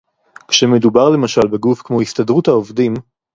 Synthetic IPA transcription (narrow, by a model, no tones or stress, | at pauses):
kʃeme̞d̪ubaʁle̞maʃalbe̞ɡufkmo̞hist̪ad̪ʁut̪haovdim